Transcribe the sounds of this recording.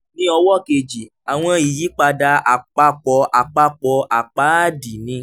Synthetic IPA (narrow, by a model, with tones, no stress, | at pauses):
nĩ˦ɔ˧wɔ˦˨ke˧˨d͡ʒi˨ | a˨w̃ɔ̃˧i˨ji˨˦k͡pa˧da˧a˨k͡pa˧˦k͡pɔ˧ʔa˨k͡pa˧˦k͡pɔ˧ʔa˨k͡pa˨˦˨di˨nĩ˧